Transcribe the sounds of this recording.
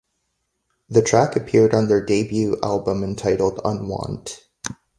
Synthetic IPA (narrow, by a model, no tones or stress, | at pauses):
ðɨtʰɹ̥ækɨpʰɪɹɾn̩ðə˞deɪbjʉʔæ̰lˠbə̃mɨ̃ntʰaɪɾl̩ˠdə̰̃nwɑ̰̃nt